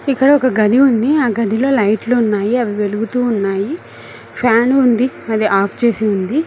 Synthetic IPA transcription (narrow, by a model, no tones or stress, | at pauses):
ikːɐɽɐɔkɐɡɐd̪ʱiund̪iaːɡɐd̪ʱilo̞ːlɐjʈluunːaːjiɐʋiʋe̞luɡut̪uːnːaːji | pʰaːnund̪i | ɐd̪iʔaːpʰt͡ʃe̞ːsiund̪i